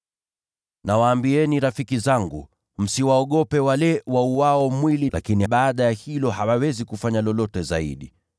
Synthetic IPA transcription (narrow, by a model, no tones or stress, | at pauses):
nawaːmbiɛniɾafikizaŋɡṵ | m̩siwaɔɠɔpɛwalɛwauwaɔmwililʔa̰kiniɓaːɗajahilɔhawawɛzikufaɲalɔlɔtɛza̰ḭɗi